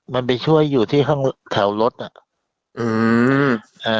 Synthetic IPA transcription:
ma˧np̬a˧jt͡ɕʰu˥˩əjːuː˨˩t̪ʰiː˥˩kʰaː˥˩ŋt̪ʰɛ˩˦wlo˦˥t̪̚ʔa˨˩ | ʔɯː˧ | ʔaː˧˩

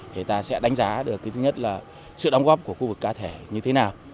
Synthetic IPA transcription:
t̪ʰe˨˩t̪aː˧sɛ̰˧˥ɗa˨˦ŋ̟zaː˨˦ɗɨ˨˩ək̚ːi˨˦t̪ɨ˨˦ɲə˦˥t̚laː˨˩ | sɨ̰˧˨ɗɔ˨˧˦ŋ͡mɣɔ˦˥p̚ku˧˩əxu˧vɨ˨˩kːaː˧t̪ʰe˧˩ɲɨ˧t̪ʰe˨˦naː˨˩w

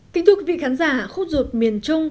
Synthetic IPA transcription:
kï̟˨˦t̪ʰki˨˦vḭ˧˨xaː˨˦nzaː˧˩xə˧wŋ͡mzu˨˩t̚mi˨˩ənt͡ɕʊ˧ŋ͡m

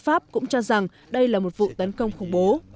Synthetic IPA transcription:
faː˦˥p̚kʊ̰˧˥ŋ͡mt͡ɕɔ˧za˨˩ŋ | ɗə˧jlaː˨˩mo˨˩t̚vṵ˧˨t̪ə˨˦nkə˧wŋ͡mxə˧˩wŋ͡mɓo˨˦

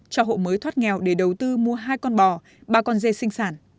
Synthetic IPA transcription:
t͡ɕɔ˧ɦo̰˧˨məː˨˦jt̪ʰwaː˦˥t̚ŋɛ˨˩wɗe˧˩ɗə˨˩wt̪ɨ˧mu˧əɦaː˧jkɔ˧nɓɔ˨˩ | ɓaː˧kɔ˧nze˧sï˧ŋ̟saː˧˩n

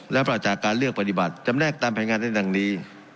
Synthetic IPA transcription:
lɛ˦˥pɾa˨˩t͡ɕaː˨˩kːaː˧nlɯ˥˩ək̚pa˧t̪i˨˩ba˨˩t̪̚t͡ɕa˧mnɛː˥˩k̚t̪aː˧mpʰɛ˧jŋaː˧nːda˥˩da˧ŋniː˦˥

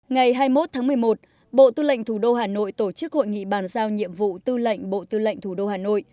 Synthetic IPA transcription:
ŋa˨˩jɦaː˧jmo˦˥t̚t̪ʰaː˨˦ŋmɨ˨˩əjmo˨˩t̚ | ɓo̰˧˨t̪ɨ˧lə̰˧˨ŋ̟t̪ʰu˧˩ɗo˧haː˨˩no̰˧˨jt̪o˧˩t͡ɕɨ˦˥k̚ho̰˧˨jŋḭ˧˨ɓaː˨˩nzaː˧wɲḭ˧˨əmvṵ˧˨t̪ɨ˧lə̰˧˨jŋ̟ɓo̰˧˨t̪ɨ˧lə̰˧˨jŋ̟t̪ʰu˧˩ɗo˧haː˨˩no̰˧˨jʔ

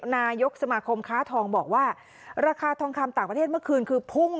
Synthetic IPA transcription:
naː˧jo˦˥k̚sa˧maː˧kʰo˧mkʰaː˦˥t̪ʰɔː˧ŋbɔː˨˩k̚waː˥˩ | ɾaː˧kʰaː˧t̪ʰɔː˧ŋkʰa˧mt̪aː˨˩pɾt̪ʰe˥˩mɯ˥˩əkʰɯː˧nkʰɯː˧pʰu˥˩ŋ

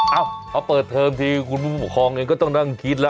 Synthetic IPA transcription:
ʔaː˧˩wpʰaː˧˩pɤː˨˩t̪ʰːɤː˧mt̪ʰiː˧kʰu˧npʰuː˥˩u˧˩pu˨˩kʰɔː˧ŋʔeː˧ŋkɔ˥˩t̪ɔ˥˩ŋna˥˩ŋki˧˦˥t̪̚la˦˧

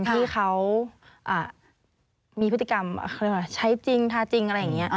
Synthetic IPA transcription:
nt̪ʰiː˧˥˩xa˦˥w | ʔaː˨˩ | miː˧pʰt̪ːi˧ka˧m̰˧˩˧ɾe˥˩wa˧˩t͡ɕʰa˦˥jt͡ɕi˧ŋt̪ʰaː˧˥˩t͡ɕi˧ŋʔa˧ɾa˧˥ja˨ŋːi˦˥ɐ˩ʔ

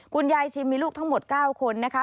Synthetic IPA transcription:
kʰu˧nja˧jt͡ɕʰi˧miː˧luː˥˩k̚t̪ʰa˦˥ŋmo˨˩t̪̚kaː˥˩wkʰo˧nːa˦˥kʰa˦˥

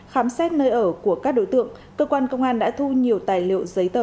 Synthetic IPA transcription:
xaː˨˦msɛ˦˥t̚nəː˧jʔəː˧˩ku˧˩əkaː˦˥k̚ɗo̰˧˥jt̪ɨ̰˧˨əŋkəː˧kwaː˧nkə˧wŋ͡mʔaː˧nɗa̰ː˧˥t̪ʰu˧ɲi˨˩əwt̪aː˨˩jlḭ˧˨ə̰˨wzə˨˦jt̪əː˧˩

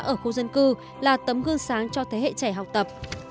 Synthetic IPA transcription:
ʔəː˧˩xo˧zə˧nkɨ˧ | laː˨˩t̪ə˨˦mɣɨ˧əŋsaː˨˦ŋt͡ɕɔ˧t̪ʰe˨˦ɦḛ˧˨t͡ɕa˧˩jɦa˨˩wk͡p̚t̪ə˨˩p̚

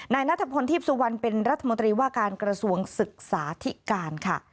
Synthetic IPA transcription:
naː˧jna˥t̪ʰːa˧pʰo˧nt̪ʰiː˥˩p̚su˧wa˧npe˧nɾa˦˥t̪ʰːa˧mo˧nt̪ɾiː˧waː˥˩kaː˧nkɾa˧su˧əŋsɯ˨˩k̚saː˩˦t̪ʰi˦˥kaː˧nkʰa˥˩

